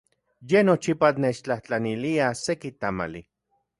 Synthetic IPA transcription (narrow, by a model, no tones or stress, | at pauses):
jenot͡ʃipanet͡ʃt͡ɬaht͡ɬaniliasekit̪ama̰lḭ